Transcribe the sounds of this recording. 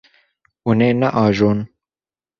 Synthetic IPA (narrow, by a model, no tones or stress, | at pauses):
uneːnɐʔɑːʒoːn